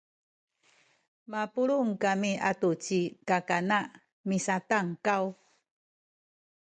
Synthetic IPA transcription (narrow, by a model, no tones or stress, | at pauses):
mapuɭuŋkamiatut͡ɕikakanaʔ | misataŋkaw